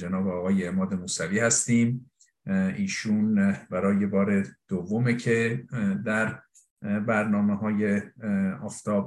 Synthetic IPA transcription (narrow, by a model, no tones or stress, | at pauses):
d͡ʒenɒːbeɒːɣɒːjeːmɒːd̪emuːsæviːhæst̪iːm | ʔiːʃuːnbæɾɒːje̞bɒːɾe̞d̪̥ovːomecʰe̞d̪æɾ | bæɾnɒːmeɦɒːjeɒːft̪ʰɒːb